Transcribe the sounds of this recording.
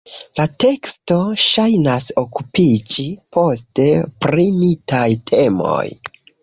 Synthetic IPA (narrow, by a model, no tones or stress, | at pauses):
late̞ksto̞ʃajnasokupid͡ʒipo̞ste̞pɾimitajtʰe̞mo̞̰j